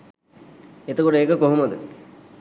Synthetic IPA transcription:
et̪okoʈəeːkəkoɦumɐd̪ə̰

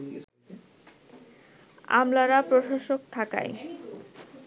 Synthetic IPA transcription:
a̰mlaɾapɾoʃaʃok̚t̪ʰaka̰j

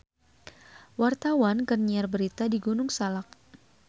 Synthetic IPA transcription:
wart̪awankərniarbəɾit̪adiɡunʊŋsalak̚

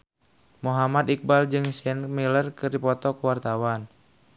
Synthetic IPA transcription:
muɦamat̪ik̚bald͡ʒɨŋsɛnmilərkɨrdipɔt̪ɔkəwart̪awan

